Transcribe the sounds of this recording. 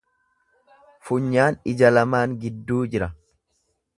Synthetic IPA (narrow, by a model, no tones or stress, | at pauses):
fʊɲːaːnɪd͡ʒɐlɐmaːŋɡɪd̪ːuːd͡ʒɪɾɐ